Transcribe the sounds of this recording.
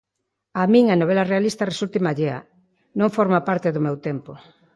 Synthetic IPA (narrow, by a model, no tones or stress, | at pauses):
amĩŋanoβ̞elarealist̪ɐresult̪ɪmaʎeɐ̰ | nõŋfoɾmapaɾt̪ɪðʊmewt̪empo